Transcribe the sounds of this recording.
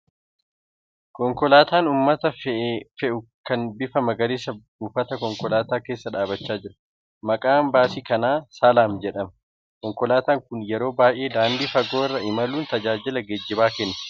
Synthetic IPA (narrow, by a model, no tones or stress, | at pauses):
kɔŋkɔlaːt̪aːnuːmːɐt̪ɐffɛʔʊkɐnbɪfɐmɐɡɐɾeːsɐbuːfɐt̪ɐkɔŋkɔlaːt̪aːke̞ːsːɐᶑaːbɐt͡ʃːaːd͡ʒɪɾɐ̥ | mɐkʼaːmbaːsikɐnaːsaːlaːmd͡ʒɛᶑɐmɐ | kɔŋkɔlaːt̪aːŋkʊnjɛɾo̞ːbaːjʔe̞ːd̪aːnd̪iːfɐɡoːɪrːɐɪmɐluːnt̪ɐd͡ʒaːd͡ʒɪlɐɡɛd͡ʒːɪbaːkɛnːɐ̥